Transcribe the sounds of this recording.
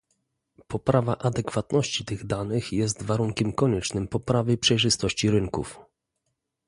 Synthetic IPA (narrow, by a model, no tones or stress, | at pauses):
pɔpɾavaʔad̪ɛkfat̪nɔɕt͡ɕit̪ɘɣd̪anɘxjɛst̪vaɾuŋkʲɛmkɔɲɛt͡ʂnɘmpɔpɾavɘjpʂɛjʐɘst̪ɔɕt͡ɕiɾɘŋkṵf